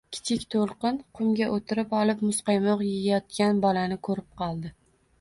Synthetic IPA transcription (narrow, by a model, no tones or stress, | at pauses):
kʲʰɪ̥t͡ʃʰɪkʲt̪ʰolˠqɨnqʰʊmɡʲaʔot̪ʰɪɾɪpɒlˠɪpmʊsqɑjmɒqjejjɒt̪̚kʲanbɒlanɪkʰɵɾɪp̚qʰɒlˠd̪ɪ